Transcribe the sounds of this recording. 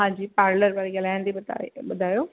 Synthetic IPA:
ɦãːd͡ʑiːpaːɾləɾbaɾiɡɐlaːɪñd̪ibd̪̰ɓʊd̪ʱaːjoː

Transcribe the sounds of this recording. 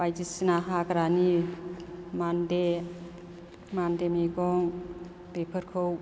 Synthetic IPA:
bajd͡ʒisinaɦakaɾani | mande | mandemiɡɔŋ | depʰɯɾkʰow

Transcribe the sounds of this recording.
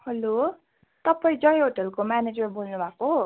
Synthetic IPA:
hʌlo | t̪ʌpaĩd͡zʌjɦoʈʌlkomaned͡zʌrbolnubʱako

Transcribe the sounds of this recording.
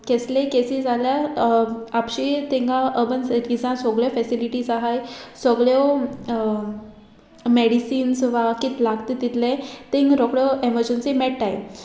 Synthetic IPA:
keslẽkesiːzalja | apɕit̪ẽŋɡaʔəbənsəɾid͡zãsɔɡɭjɔfɛsiliʈisaɦajsɔɡɭjɔ | meɽisiːnsʋakit̪laɡt̪it̪it̪lẽt̪ẽŋɡɾɔkɽɔeməɾd͡ʑənsimɛɽʈaj

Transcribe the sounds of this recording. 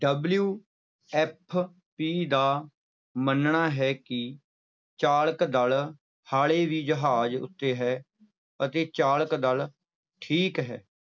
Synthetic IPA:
ɖəbljuː | ɛːp̚ʰ | piːd̪aː | mənɳaːɦɛːkɪ | t͡ʃaːləkd̪əl | haːɭeːʋiːd͡ʒəɦaːd͡ʒʊ̰t̪ːeːɦɛː | ət̪eːt͡ʃaːləkd̪əl | ʈʰiːkɦɛ̰ː

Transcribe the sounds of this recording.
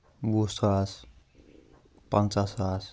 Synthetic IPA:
busaas | pʌnt͡sasas

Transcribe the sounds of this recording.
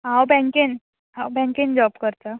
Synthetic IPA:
ɦãwbɛ̃ŋkin | ɦãwbɛ̃ŋkind͡ʑɔbkəɾt̪a

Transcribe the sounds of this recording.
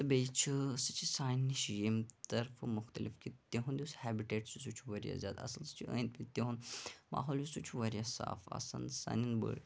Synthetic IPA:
t̪ɨbʲejt͡ʃʰisɨt͡ʃʰisaːnʲːiʃjemt̪ɐɾfɨmʊxt̪ɐlifkʰit̪eɦũnd̪iushæːbiʈeːʈsjusut͡ʃʰuʋɐɾja̰ːzʲja̰ːd̪ɐ̰sɐlsɨ̥t͡ʃʰiʔə̰̃ːjnt̪̚pʰʲit̪eɦunma̰ːɦoːljusut͡ʃʰuʋɐɾjasa̰ːfɐ̰sɐ̰nsɐ̰ninbə̰ɽ

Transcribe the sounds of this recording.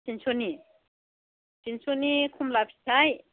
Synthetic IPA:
sinsoni | sinsonikʰumlapʰi̥sʰaj

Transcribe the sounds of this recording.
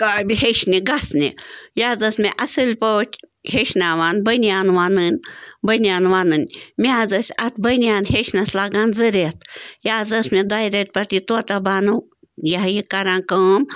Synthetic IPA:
kaːbʲiheʃniɡɐsnijaːzɐsmeʔɐsɨlʲpoːt͡ʃʲ | heʃnaːʋaːnbənjaːnʋaːnɨnʲbənʲaːnʋaːnɨnʲmʲaːzɐsʲɐt̪̚ʰbɐnjaːnheʃnɐslaːɡaːnzɨɾʲeːt̪̚ʰjaːzɐsmed̪aːjɾʲet̪̚ʲpɐt̪it̪oːt̪ɐbaːnɨ | jɐɦjikɐɾãːnkɐːm

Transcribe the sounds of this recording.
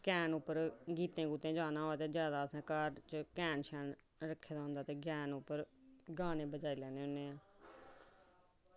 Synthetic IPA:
kɛːnʊpːəɾɡiːt̪ẽːɡuːt̪ẽːd͡ʒaːnãːoːaːt̪eːd͡ʒjaːd̪aːəsãːkaɾt͡ʃəkɛːnʃʰɛːn | ɾəkʰːeːd̪aːɦʊ̃nd̪aːt̪eːɡjaːnʊpːəɾɡaːnẽːbəd͡ʒaːiːlɛːneːɦʊneːãː

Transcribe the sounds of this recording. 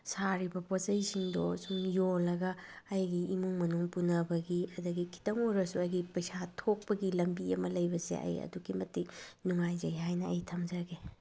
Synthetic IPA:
saɾibɐposɐjsiŋdɔsuŋjolɐɡɐːjɡiimuŋmɐnuŋpunɐbɐɡiɐdɐɡikʰi̥tɐmoɾɐsuɐjɡipɐjsatʰok̚pɐɡilɐmbiɐmɐlɐjbɐsḛɐ̰jɐ̰duɡimɐtiknuŋajzɐjɦajnɐɐ̰jtʰɐmd͡ʒɐɡe

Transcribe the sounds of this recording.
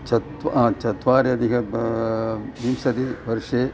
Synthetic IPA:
t͡ʃɐt̪ʋt͡ʃɐt̪ʋaːɾjɐd̪ikɐ | bimsɐd̪iʋɐɾʂeː

